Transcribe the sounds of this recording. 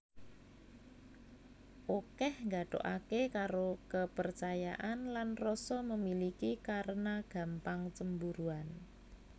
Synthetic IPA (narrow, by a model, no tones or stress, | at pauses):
ʔokɛhŋɡaɖ̥o̤̰ʔa̰kekaɾokəpərt͡ʃaja̰ʔanlanrɔsɔməmilikikaɾənaɡ̥a̤mpaŋt͡ʃəmbuɾuan